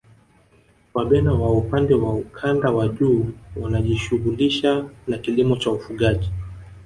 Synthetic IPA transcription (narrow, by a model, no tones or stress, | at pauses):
waɓɛnawaupandɛwaukʰandawaʄuːwunaʄiʃuɣuliʃanakilimɔt͡ʃaufuɠaʄi